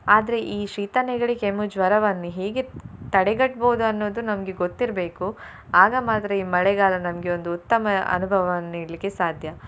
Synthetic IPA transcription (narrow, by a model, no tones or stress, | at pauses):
aːd̪ɐɾe̞ʔiːʃiːt̪ɐnɛɡɐɭikemud͡ʒʋɐɾɐʋɐnːuɦeːɡet̪ɐɽeɡɐʈ̚boːud̪uɐnːoːd̪unɐmɐɡe̞ɡot̪ːiɾbe̞ːku | aːɡɐmaːt̪ɾɐiːmɐɭɛɡaːlɐnɐmɐɡeo̞nd̪uːt̪ːɐmɐɐ̰nubʱɐʋɐnːiːɽlikːesaːd̪ʱjɐ